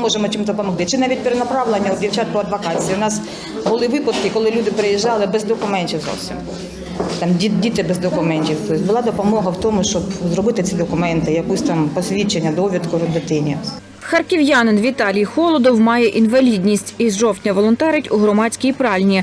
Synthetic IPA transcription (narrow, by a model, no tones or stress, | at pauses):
mɔʒemɔt͡ʃʲimt̪ɔpɔmɔxt̪ɪt͡ʃɪnɑʋʲit̚ʲpeɾenɐpɾɑʋlˠenʲːɐɔd̪dʲiwt͡ʃɑt̪̚kɔɐd̪ʋɐkɑt͡sʲijiwnɑs | bʊlˠɪʋɪpɐd̪kɪkɔlˠɪlʲud̪ɪpɾejiʒːɑlˠɪbɛzd̪ɔkʊmɛnʲtʲiwzɔ̰wsʲḭm | t̪ɑmʲidʲit̪ɪbezd̪ɔkʊmɛnʲtʲiwt̪ɔsʲbʊlˠɑd̪ɔpɔmɔɦɐwt̪ɔmʊʃt͡ʃɔbzɾɔbɪt̪ɪt͡sʲid̪ɔkʊmɛnt̪ɪjɐkɔsʲt̪ɑmpɔsʲʋʲit͡ʃenʲːɐd̪ɔʋʲid̪kʊɾɔd̪ɪt̪ɪnʲi | xɐrkʲɪʋjɑnɪnʋʲit̪ɑlʲijxɔlˠɔd̪ɔwmɑjɛʔinʋɐlʲidʲnʲisʲtʲizʒɔwtʲnʲɐʋɔlˠɔnt̪ɛɾɪtʲuɦɾɔmɑt͡sʲkʲijpɾɑlʲnʲi